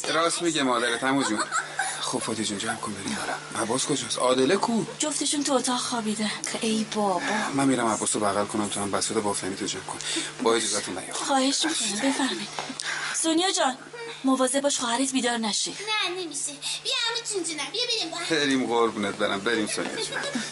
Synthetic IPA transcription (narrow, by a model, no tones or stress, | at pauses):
ɾɒːsmiɟemɒːd̪æɾet̪ʰæmod͡ʒunxobfɒːt̪ʰid͡ʒund͡ʒæmkʰonbeinɒlæmʔæbːɒːskʰod͡ʒɒːsɒːd̪elekʰuːd͡ʒoft̪e̞ʃunt̪ʰuot̪ʰɒːʁxɒːbiːd̪ænʰʔejbɒːbɒːmænmiːɾæmæbːɒːsobæɣælkʰonæmt̪ʰuæmbæsod̪ebɒftæniːt̪ʰod͡ʒæmkʰonbɒːed͡ʒozɒt̪ʰunbæ̰joxɒːhe̞ʃmikʰonibe̞fæɾmɒjd̪̥sonijɒd͡ʒɒːn | movɒːzebɒːʃχɒːhæɾet̪biːd̪ɒːɾnæʃenænemiʃebijamit͡ʃʰind͡ʒinæmbibiɾimbbeɾimɣoɾbunet̪̚beɾʔæ̰mbeɾimso̰nḭjɑ̰d͡ʒṵn